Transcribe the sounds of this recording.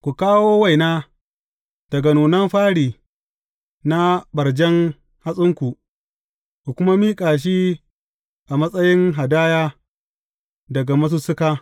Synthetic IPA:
kʷu˨kaː˦woː˦wa˦˨jnaː˦ | d̥ɐ˨ɡa˨nuː˨nɐ˦mɸaː˦ɽiː˨ | na˦bɐ˨ɾd͡ʒɛ˦ŋ | ha˦sʼʊ˦ŋkʷu˨ʔ | kʷu˨kʷʊ˦ma˦miː˦kʼaː˨ʃ̬i˦ | ʔa˨mɐ˦sʼɐ˦jɪ˦ŋɦa˨daː˦jaː˦ | dɐ˨ɡa˨mɐ˦s̬u˦sʊ˦kaː˦

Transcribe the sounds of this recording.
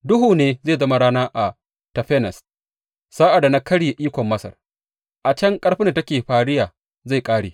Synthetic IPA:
dʊ˦ɦuː˨neː˦zeː˦˨zɐ˦ma˦ɽaː˦naː˦ʔa˨ | tɐ˨ɸɛ˦nɐ˨s | saː˦ʔa˨da˨na˦kɐ˦ɽi˦˨ʔiː˦kʷɔ˨mːɐ˦sɐ̰˨r | ʔa˨t͡ʃɐ˦ŋkʼɐ˦ɽɸi˦ndtɐ˦kʲeː˨ɸaː˨ɽɪ˦jaː˨ | za˦˨jkʼaː˦ɽeː˨

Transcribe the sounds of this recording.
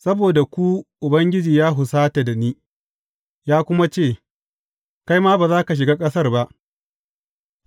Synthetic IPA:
sɐ˦boː˨da˨kʷu˦ʔʊ˨bɐ˦ŋɡʲɪ˦d͡ʒiː˨jaː˦ɦʊ˨saː˦ta˨da˨niː˦ | jaː˦kʷʊ˦ma˦t͡ʃeː˦˨ | ka˦jmaː˦ba˨zaː˦ka˨ʃ̬ɪ˨ɡaː˦kʼɐ˦sɐ˦rba˦ʔ

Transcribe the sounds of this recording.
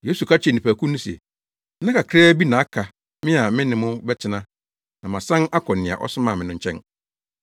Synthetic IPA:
je˦su˨kʰa˦t͡ɕʰɛ˨nĩ˨pʰæ˨kʰũ˦nʊ̃˦sɛ̰˨˦ | nã˦kʰa˨kʰɾɛː˦bi˦nã˨a˦kʰa˨ | mɪ̃˦a˨mɪ̃˦nɪ̃˨mʊ̃˦bɛ˦tʰɪ˦nã˦ | nã˨mã˨sã˦na˦kʰɔ̃˨nɪ̃˨a̰˨ʔɔ̰˦sʊ˦mãː˦˨mɪ̃˨nʊ̃˦ɲ̩˦t͡ɕʰɛ̰̃˦n

